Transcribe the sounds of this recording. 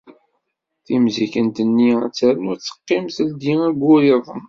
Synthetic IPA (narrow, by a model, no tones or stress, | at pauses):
θimzikənt̪ənːiæt͡sːæɾənʊɾt͡sːə̥qːɪmθəld̪iæɡʷʊɾiðˤəm